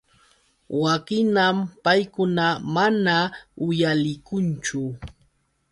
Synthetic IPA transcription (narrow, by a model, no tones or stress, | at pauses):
wakɪnampajkʊnamanaʊjalɪkʊnt͡ʃʊ